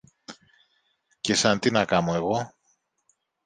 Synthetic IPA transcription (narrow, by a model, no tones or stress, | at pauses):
ce̞sɐnt̪inɐkɐmo̞e̞ɣo̞